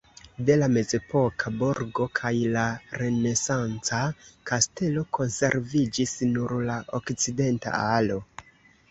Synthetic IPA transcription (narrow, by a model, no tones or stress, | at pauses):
de̞lame̞ze̞po̞kʰabuɾɡo̞kʰajlaɾe̞ne̞sant͡sakaste̞lo̞kʰo̞nse̞ɾvid͡ʒisnuɾlaʔo̞kt͡side̞nta̰alo̞